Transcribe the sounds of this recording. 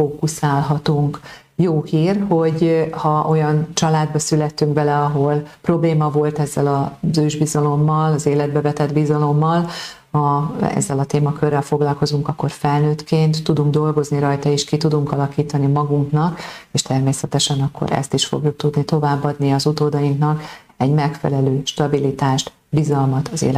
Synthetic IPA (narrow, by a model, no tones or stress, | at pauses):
foːkusaːlɦɒt̪uŋk | joːhiːrho̞ɟhɒʔo̞jɒnt͡ʃɒlaːd̪̚bɒsylɛt̪ːyŋkbɛlɛɒɦo̞lpro̞bleːmɒvo̞lt̪ɛzːɛlɒzøːʒbizɒlo̞mːɒlɒzeːlɛd̪̚bɛvɛt̪ɛd̪bizɒlo̞mːɒl | ɒɛ̰zːɛlɒt̪eːmɒkørːɛlfo̞ɡlɒlko̞zuŋkɒkːo̞rfɛlnøːt̪kʰeːnt̪ːud̪uŋɡd̪o̞lɡo̞zniɾɒjt̪ɒiʃkit̪ud̪uŋkɒlɒkiːt̪ɒnimɒɡuŋknɒkeːʃt̪ɛrmeːsɛt̪ɛʃɛnɒkːo̞̰ɾɛ̰st̪iʃfo̞̰ɡjuk̚t̪ud̪nit̪o̞vaːbːɒd̪niɒzut̪oːd̪ɒjiŋknɒk | ɛɟmɛkfɛ̰lɛløːʃt̪ɒbilit̪aːʃt̪ | bizɒlmɒt̪ɒzḛːl